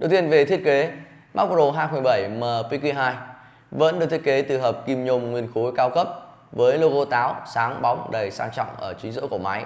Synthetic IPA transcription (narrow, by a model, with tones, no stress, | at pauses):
ɗə˨˩wt̪i˧ənve˨˩t̪ʰi˦˥ət̚ke˨˦ | ma˦˥k̚zo˧˩ɦaː˧ju˧˨˩ɓə˧˩jməː˨˩pi˧kwi˧ɦaː˧j | və̰˧˥nɗkt̪ʰi˦˥ə˥ke˨˦t̪ɨ˨˩ɦəː˨˩p̚ki˧mɲo˧wŋ͡mŋwi˧ənxo˨˦kaː˨˦wkə˦˥p̚ | vəː˨˦jlo˧ɣo˧t̪aː˨˦wsaː˨˦ŋɓa˨˦wŋ͡mɗə˨˩jsaː˧ŋt͡ɕɔ̰˧˨wŋ͡mʔəː˧˩t͡ɕï˨˦ŋ̟zɨ̰˧˥ko˧˩ma˨˦j